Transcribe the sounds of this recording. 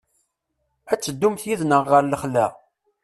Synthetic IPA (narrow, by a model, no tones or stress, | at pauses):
æt͡sːəd̪ːumθjiðnəʁːəɾləχlæ